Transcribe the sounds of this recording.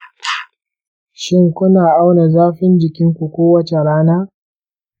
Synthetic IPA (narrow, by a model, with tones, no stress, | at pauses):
ʃɪ˦ŋkʷʊ˦naː˨ʔa˦wna˨zaː˦ɸɪ˦nd͡ʒɪ˨kʲɪ˦ŋkʷu˨kʷoː˦wɐ˦t͡ʃe˨ɽaː˦naː˦